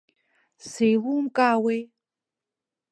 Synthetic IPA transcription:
sejlumkʼaːwej

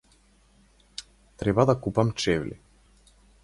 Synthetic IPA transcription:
t̪ɾɛbad̪akupamt͡ʃɛvlḭ

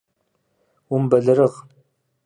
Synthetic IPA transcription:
wʊmbɐɮɨɾəʁ

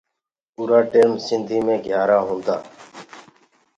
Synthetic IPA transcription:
puːɾaːʈeːmsɪnd̪ʱiːmẽːɡʱjaːɾaːɦõːnd̪aː

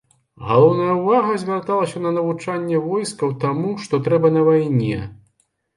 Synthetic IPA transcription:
ɣa̰lˠɔwn̪ɐjɐwvaɣɐzʲvʲart̪alˠɐsʲɐnɐnɐvut͡ʂanʲːɛvɔjskɐwt̪amuʂt̪ɔt̪ɾɛbɐnɐvajnʲɛ̰

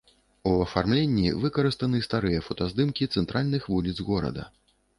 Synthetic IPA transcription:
uɐfarmlʲenʲːḭvɨkɐɾɨst̪ɐnɨst̪aɾɨjɐfɐt̪azd̪ɨmkʲit̪sɛnt̪ɾʔalʲnɨxvulʲid̪zɣɔɾɐ̰d̪ɐ̰

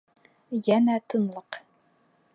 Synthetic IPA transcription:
jænæt̪ʰɤ̆nlˠɤq

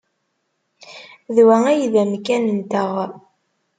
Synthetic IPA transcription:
ðwææjðæmkænənt̪əʁ

